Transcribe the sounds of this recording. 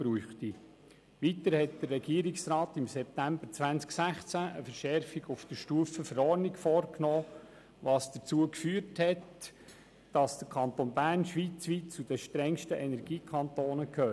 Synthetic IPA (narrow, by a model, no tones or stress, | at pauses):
b̥ɾuːχti | ʋitəɾhɛt̚d̥ərːɛɡ̥iːəɾɪksɾɑːtɪmsɛp̚tæmbəɾt͡sʋænsksæχt͡sæʔəfəɾʃɛɾfiɡʊfd̥əʃtuːəfəfəɾɔːɾnɪɡfɔːrknɔː | ʋɑːsd̥ət͡suəkfyːɾthɛt | d̥ɑsd̥əɾkʰɑnt̪onbæːrnʃʋiːt͡sʋiːtt͡sud̥əʃtɾɛŋʃtəʔɛnɛɾɡ̥iːkʰɑnt̪oːnəkʰøː